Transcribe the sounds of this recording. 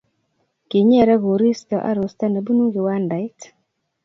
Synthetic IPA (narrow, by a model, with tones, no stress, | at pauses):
ki˨ɲɛ˦ɾɛ˦ɣo˨ɾi˦st̪ɔ˨ʔa̰˦ɾo˨st̪a˦na˨bu˦nu˦ɡɪ˨wa˦nda˨ɪ˦t